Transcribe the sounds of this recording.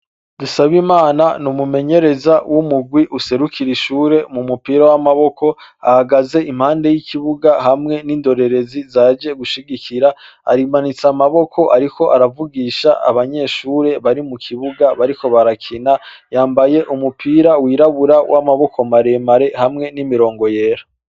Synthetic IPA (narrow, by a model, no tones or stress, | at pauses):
d̥usaβimaːnanumume̞ɲe̞ɾe̞zawʔumuɡwiʔuse̞ɾukʰiɾiʃuːɾe̞mumupiːɾawamaβo̞kʰo̞a̰haɡaze̞ʔimhaːnde̞jikiβuɡahamŋe̞niːndo̞ɾe̞ɾe̞zizaːd͡ʒe̞ɡuʃiɡikiɾa | a̰ɾimanit͡samaβo̞kʰo̞ʔaɾikʰo̞ʔaɾavuɡiːʃaʔa̰βaɲe̞ʃuːɾe̞βaɾimukʰiβuɡaβaɾiko̞βaɾakʰinajaːmbaje̞ʔumupʰiːɾawiɾaβuɾawʔamaβo̞kʰo̞maɾe̞maɾe̞hamŋe̞nimiɾo̞ːŋɡo̞je̞ːɾa